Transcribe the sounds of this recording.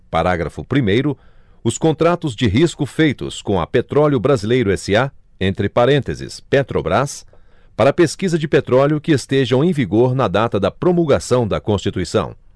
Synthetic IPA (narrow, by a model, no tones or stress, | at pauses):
paɾaɡɾɐfʊpɾimejɾʊ | ʊskõnt̪ɾat̪ʊzd͡ʒɪɦiskʊfejt̪ʊ̰skõɐ̰pet̪ɾɔljʊbɾazilejɾʊɛsɪa | ẽnt̪ɾɪpaɾẽnt̪ezɪ̰spet̪ɾobɾas | paɾɐpeskizɐd͡ʒɪpet̪ɾɔljʊkɪest̪eʒɐ̃w̃ẽj̃viɡoɾnɐd̪at̪ɐd̪ɐpɾomulɡasɐ̃w̃d̪ɐkõst͡ʃit̪uisɐ̰̃w̃